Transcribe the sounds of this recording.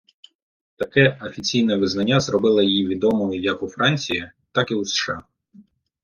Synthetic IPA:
t̪ɐkɛɐfʲit͡sʲijnɐʋɪznɐnʲːazrɔbɪlˠɐjjiʋʲid̪ɔmɔijɐkufɾɑnʲt͡sʲijɐ | t̪ɑkiusʃɑ̰

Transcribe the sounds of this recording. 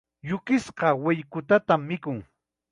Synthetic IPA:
jʊkɪsqɑwɪʎkʊt̪at̪amːɪkʊŋ

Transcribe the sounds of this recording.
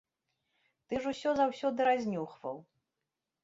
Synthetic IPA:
t̪ɨʐusʲɔzawsʲɔd̪ɨɾazʲnʲuxvɐ̰w

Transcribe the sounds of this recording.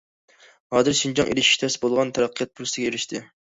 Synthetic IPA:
hɑːd̪ɨɾʃind͡ʒɑŋʔḛlɪʃʃt̪ʰɛsɪbolˠʁɑnt̪ʰæɾæqʰːijɑt̪̚pʰuɾsɪɡʲeɾɪʃt̪ʰɪ

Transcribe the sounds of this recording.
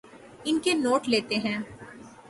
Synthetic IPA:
ɪnkenoːʈleːt̪eɦɛ̃ː

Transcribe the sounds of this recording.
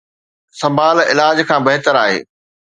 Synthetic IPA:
sɐ̃mbʱaːlɪ̰laːd͡ʑkʰãːbɐɦɪt̪əɾaːɦḛː

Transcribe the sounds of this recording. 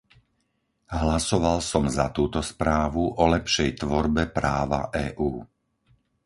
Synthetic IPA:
ɦlasɔʋalsɔmzat̪uːt̪ɔspɾaːʋuʔɔlɛpʃɛjt̪ʋɔɾbɛpɾaːʋa̰ʔɛːʔuː

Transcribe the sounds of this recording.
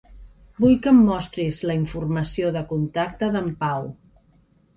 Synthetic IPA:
bujkəmːɔst̪ɾizləiɱfurməsioðəkunt̪ak̚t̪əðəmpaw

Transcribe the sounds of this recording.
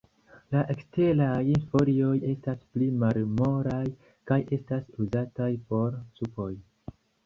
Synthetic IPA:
laʔe̞kste̞lajinfo̞ɾio̞je̞stasplimalmo̞ɾaj | kaje̞stasuzatajpo̞ɾsupo̞j

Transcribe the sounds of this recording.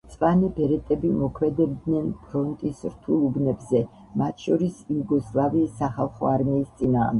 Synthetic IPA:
t̪sʼqʼanibɛɾɛt̪ʼɛbimɔkʰmɛd̪ɛb̚d̪nɛnpʰɾɔnt̪ʼisɾt̪ʰulˠubnɛbzɛ | mat̪ʰʃɔɾisijuɡɔslˠaviːsːaχalˠχɔ̰aɾmiːst̪sʼinaːʁmd̪

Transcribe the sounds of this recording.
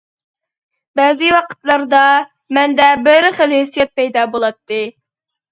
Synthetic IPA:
bɛzɨwɑqʰə̥t̪lˠɑɾd̪ɑ | mɛnd̪ɛbɪɾɪχəlɦesːijɛt̪̚pɛjd̪ɑːbolˠɑt̪ːɨ

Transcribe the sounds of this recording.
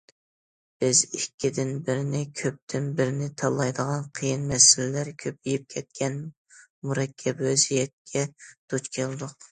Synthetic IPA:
b̥ɪzikʲːid̪ɪnbɪɾɪnɪkʲʰøp̚t̪ʰɪnbɪɾɪnɪt̪ʰɑlˠːɑjd̪əʁɑnqʰijinmɛsɪlɪlæɾkʲʰøpijip̚kʲʰɛt̪̚kʲʰɛn | muɾɛkʲʰːɛbøzijɛt̪̚kʲʰɛd̪̥ut͡ʃkʲʰelˠd̪ʊq

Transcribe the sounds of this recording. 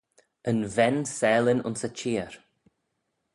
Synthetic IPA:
ənvɛnsɛːlɪnʊ̰nsət͡ʃiːəɾ

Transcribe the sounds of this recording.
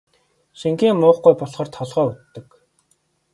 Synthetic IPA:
ʃiŋkiːŋmʊːχɡujpɔɮʁɞ̆r̥t̪ʰɔɮʁœːut̪ːɵ̆k

